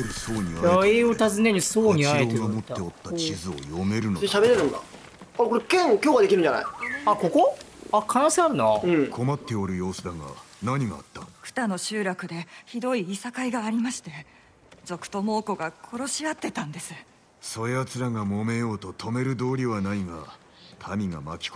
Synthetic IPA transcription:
eɾɯ̟so̞ːɲ̟iaaeeːot̪azɨne̞ɲisoːɲiaeeomo̞t̪ːe̞ot̪ːat͡ɕizɨo̞̰jo̞me̞ɾɯ̟noɕabeɾeɾɯ̃nd̪a̰ | aɾkoɾekẽŋkʲoːɡad̪ekʲiɾɯ̟ɲd͡ʒana̰iako̞koakʰanoːseaɾɯ̟naɯ̟̃ɴkʰo̞mat̪ːe̞oɾɯ̟jo̞ːsɨd̪aɡa̰naɲ̟iɡaa̰t̪ːḁkɯ̟̥t̪ano̞ɕɨːɾakɯ̟d̪e̞çid̪o̞iːsakaiɡaːɾʲimaɕi̥t̪e̞ | d͡ʑo̞kɯ̟̥t̪o̞mo̞ːko̞ɡakʰo̞ɾo̞ɕiat̪ːe̞t̪ãnd̪e̞sɨ̥ | so̞jat͡sɨɾaŋamo̞me̞jo̞ːt̪o̞t̪ʰo̞me̞ɾɯ̟d̪o̞ːɾʲiβanaiɡa̰ | t̪ʰamʲiŋa̰makʲi̥k

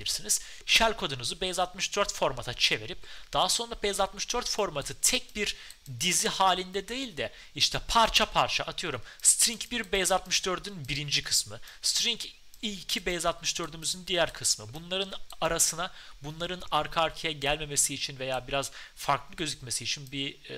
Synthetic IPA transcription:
ilʲiɾsiniz̥ | ʃælʲkʰo̞d̪unuzɯbɛjzat̪mɯʃd̪øɾt̪fo̞ɾmat̪ʰat͡ʃʰe̞veɾip̚d̪̥aɦaso̞nɾabɛjzat̪mɯʃd̪øɾt̪fo̞ɾmat̪ʰɯt̪ʰɛc̚biɾ | d̪izihaːlʲind̪ɛd̪e̞jilʲd̪ɛ | iʃt̪ʰɛpʰaɾt͡ʃʰapʰaɾt͡ʃʰaʔːt̪ʰɯjo̞ɾumst̪ɾiŋcbiɾbɛjzat̪mɯʃd̪ø̞ɾd̪ynbiɾind͡ʒikʰɯ̥smɯst̪ɾiŋcʰ | icʰibɛjzat̪mɯʃd̪ø̞ɾd̪ymyzynd̪ijæɾkʰɯsmɯbunlˠaɾɯnaɾasɯnabunlˠaɾɯnaɾkʰaːɾcʰijɛɟælʲme̞me̞siːt͡ʃʰinve̞jaːbiɾaz̥faɾklˠɯɟø̞zycʲme̞siːt͡ʃʰinbi

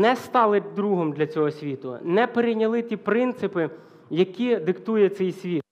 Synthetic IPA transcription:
nɛst̪ɑlˠɪt̚ʲd̪ɾuɦɔmd̪lʲɐt͡sʲɔɦɔsʲʋʲit̪ʊ̰nɛpeɾɪjnʲɐlˠɪt̪ʲipɾɪnt̪sɪpɪ | jɐkʲid̪ɪkt̪ujɛt̪sɛjsʲʋʲit̪̚

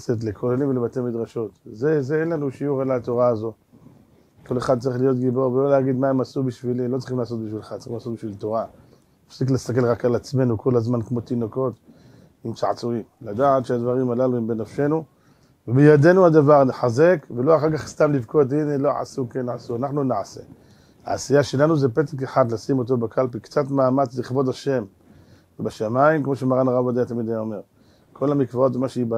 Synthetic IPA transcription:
set̬lekʰolelimvelebatemid̪ʁaʃo̞t̪zezeenlanuʃiuʁelat̪o̞ʁaːzo̞ | ko̞le̞χad̪̚t͡saʁiχlijo̞t̪ɡibo̞ʁvelo̞leaɡid̪maemasubiʃvilimlot͡sʁiχimlaːso̞t̪̚biʃvilχatt͡sḁʁ̥iimlaːsot̪̚biʃvilt̪o̞ʁa | nafsik̬lest̪ak̬e̞lʁakalat͡sme̞nuko̞lazmankmo̞t̪ino̞ko̞t̪ | imt͡saʕt͡suimlad̪aat̪ʃead̪vaʁimalaluimbenafʃe̞nu | vebejad̪e̞nuad̪avaʁneħaze̞kvelo̞aχaʁkaχst̪amlivkot̬inelo̞ʕa̰sukenʕasuanaχnunaʕasḛ | ha̰asijaʃe̞lanuze̞petakeħad̪lasimo̞t̬o̞bakalpikt͡satmaːmat͡sliχbo̞daʃe̞m | vebaʃamaimkmo̞ʃemaʁanaʁabad̪ejat̪amid̪ajome̞ʁ | kʰo̞lamikvao̞t̪vemaʃeiba

